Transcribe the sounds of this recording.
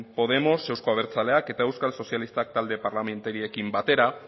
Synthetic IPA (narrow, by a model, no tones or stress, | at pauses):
po̞ð̞e̞mo̞se̞wsko̞aβ̞e̞ɾt͡sale̞ake̞t̪ae̞wskalso̞sialist̪ak̚t̪ald̪e̞paɾlame̞nt̪eɾie̞kimbat̪e̞ɾa